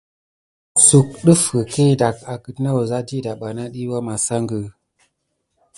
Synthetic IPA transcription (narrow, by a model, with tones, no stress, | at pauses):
su˨k̚ɗə˦fkə˨ke˦˨da˨ka˨kə˨tna˦wo˨za˦di˦˨da˨ɓa˨na˦ɗi˦wa˦ma˨sa˦ŋɡə˨